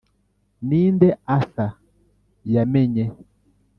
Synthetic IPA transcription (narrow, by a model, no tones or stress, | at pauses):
niːndɛasa | jamɛɲɛ